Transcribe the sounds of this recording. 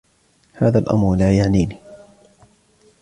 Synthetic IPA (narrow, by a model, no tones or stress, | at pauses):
haːðaːlʔa̰mɾlaːjaʕniːniː